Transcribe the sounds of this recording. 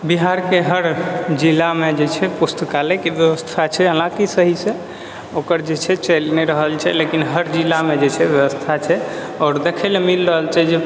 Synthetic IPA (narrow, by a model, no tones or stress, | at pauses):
biɦaɾkeɦəɾd͡ʒilːamed͡ʒet͡ʃʰɛpust̪ʰəkalekebjəʋəst̪ʰat͡ʃʰɛɦəlãkisəɦisẽ | okəɾd͡ʒet͡ʃʰɛt͡ʃəlnɛɾəɦəlt͡ʃʰɛlekinɦəɾd͡ʒilːamed͡ʒet͡ʃʰɛbjəʋəst̪ʰat͡ʃʰɛ | ɔːɾd̪ekʰɛlemilɾəɦəlt͡ʃɛd͡ʒe